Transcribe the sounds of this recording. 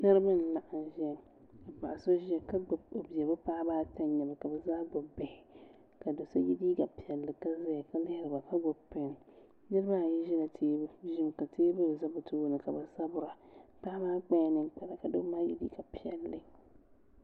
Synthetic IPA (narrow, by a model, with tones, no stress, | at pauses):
na˦ɾɨ˦ma˦n̩˨la˨ʔa˨n˨ʒɛ˦ | a˨pa̰˨ʔa˨so˦ʒɛ˦ka˦ɡ͡bʊ˨bo˨bi˨ɛ˨bɨ˦paː˦baː˦ta˦n˦ɲɛ˨ba˨ka˨bɛ˨zaː˦ɡ͡bo˨bɛ˨hɪ˨ | ka˨do˨sa˦ji˦diː˦ɡa˨pi˨ɛ˨lːɨ˨ka˦za˦ja˨ka˨lɪ˦hɪ˦ɾɨ˨ba˨pa˦ɡ͡bo˨pɪ˨n˨ | nɛ˦ɾɨ˦ba˦˨ji˦ʒɪ˦na˨tʰeː˦bʒɪ˦m˨ka˨tʰeː˦bɨ˦˨za˦bʊ˨tʰoː˦nɨ˨ka˨ba˨sa˦bʊ˦ɾa˨paː˦baː˦k͡pɛ˦nɨ̃˦ŋk͡pa˨la˨ka˨do˦maː˦jḭ˦dḭː˦ɡa˨pi˨ɛ˨lːɨ˨˦